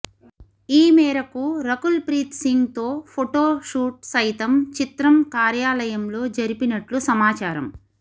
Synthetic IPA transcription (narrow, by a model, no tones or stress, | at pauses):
iːmɛːɾɐkuɾɐkulpɾiːt̪siŋɡt̪o̞ːpʰoʈo̞ːʂuːʈ̚sɐjt̪ɐmt͡ʃit̪ɾɐmkaːɾjaːlɐjɐmlo̞ːd͡ʒɐɾipinɐʈlusɐmaːt͡ʃaːɾɐ̰m